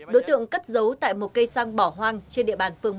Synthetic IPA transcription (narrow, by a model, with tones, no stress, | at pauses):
ɗo˨˦jt̪ɨ̰˧˨əŋka˦˥t̚zə˨˦wt̪a̰ː˧˨jmo˨˩t̚kə˧jsaː˧ŋɓɔ˧˩ɦwaː˧ŋt͡ɕe˧nɗḭ˧˨əɓaː˧˩nfɨ˧əŋm˦